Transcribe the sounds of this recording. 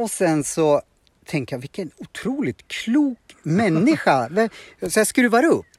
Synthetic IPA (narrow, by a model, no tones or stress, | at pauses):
ɔsɛnsɔ | t̪ʰɛŋkəjavɪkːənʊt̪ʰɾuːlɪt̪kʰluːkmɛnːɪɧavɛsɔjaskɾʉːvaɾɵpː